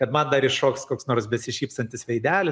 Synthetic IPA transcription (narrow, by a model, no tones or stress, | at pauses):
kɐt̪mɐnd̪ɐɾɪʃoːkskoːksnoːrsbʲɛsʲɪʃʲiːpst̪ɐnʲt̪ʲɪsʋʲɛɪd̪ʲæːlʲɪ